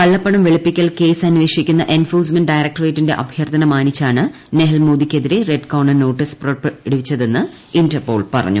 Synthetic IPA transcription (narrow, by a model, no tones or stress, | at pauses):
kɐɭːɐpːɐɳɐmʋeɭipːikʲːɐlke̞ːsɐnuʋe̞ːʂikʲːunːɐʔenfoːs̬menɖɖɐjɾɐk̚ʈɐreːtːinde̞ʔɐ̰bʱjɐrt̪ʰɐnɐmaːnit͡ɕːaːɳɨ | neɦɐlmoːd̪ikʲːe̞ðiɾe̞re̞ɖkɐwɳɐno̞ːʈːispropɽiʋit͡ɕːɐðe̞nːɨ | indɐrpo̞̰ːɭpɐ̰rɐ̰ɲːṵ